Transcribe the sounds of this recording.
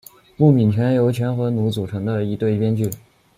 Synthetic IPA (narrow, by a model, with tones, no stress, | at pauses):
pu˥˩mi˨˩nt͡ɕʰɥɛ˧˥njo˧˥ʊt͡ɕʰɥɛ˧˥nxɤ˧˥nu˧˥t͡su˨˩ʈ͡ʂʰɤ˧˥ŋd̪ə˧i˧˥t̪we˥˧ɪpjɛ˥nt͡ɕy˥˩